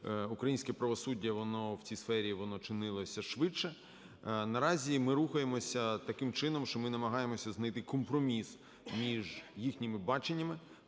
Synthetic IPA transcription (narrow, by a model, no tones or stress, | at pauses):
ukɾɐjinʲsʲkɛpɾɐʋɔsudʲːɐʋɔnɔwt͡sʲisfɛɾʲiʋɔnɔt͡ʃɪnɪlˠɔsʲɐʃʋɪt͡ʃɛ | nɐɾɑzʲimɪɾuxɐjemɔsʲɐt̪ɐkɪmt͡ʃɪnɔmʃt͡ʃɔmɪnɐmɐɦɑjemɔsʲɐznɐjt̪ɪkɔmpɾɔmʲis | mʲiʒjixnʲɪmɪbɑt͡ʃenʲːɐmɪ